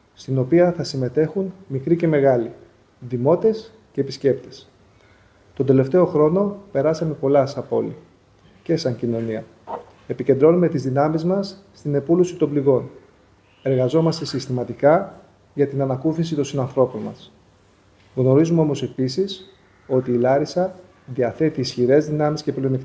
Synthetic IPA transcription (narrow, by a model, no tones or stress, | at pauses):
st̪ino̞piɐθɐsime̞t̪e̞xunmikɾice̞me̞ɣɐli | ðimo̞t̪e̞s | ce̞ːpisce̞pt̪e̞̥s | t̪od̪e̞le̞ft̪e̞o̞xɾo̞no̞pe̞ɾɐsɐme̞po̞lɐsɐpo̞li | ce̞sɐɲcino̞niɐ | e̞pice̞nd̪ɾo̞nume̞t̪izðinɐmizmɐsːt̪ine̞pulusit̪o̞mbliɣo̞n | e̞ɾɣɐzo̞mɐst̪e̞sist̪imɐt̪ikɐ | ʝɐt̪inɐnɐkuθisit̪o̞nsinɐnθɾo̞po̞nmɐ̰s | ɣno̞ɾizumeo̞mo̞se̞pisis | o̞t̪iːlɐɾisɐ | ðiɐθe̞t̪iːsçiɾe̞zðinɐmisce̞plionikt̪